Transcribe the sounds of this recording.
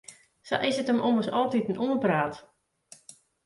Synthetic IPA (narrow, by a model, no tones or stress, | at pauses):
sa̰ʔɪsətəmʔoməsɔlˠtitn̩ʔuənpraːt